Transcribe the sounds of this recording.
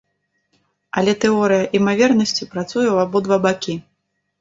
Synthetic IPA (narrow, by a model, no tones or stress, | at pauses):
ɐlʲɛt̪ɛɔɾɨjɐʔimavʲɛrnɐsʲt͡sʲipɾat̪sujɛwabɔd̪vabakʲi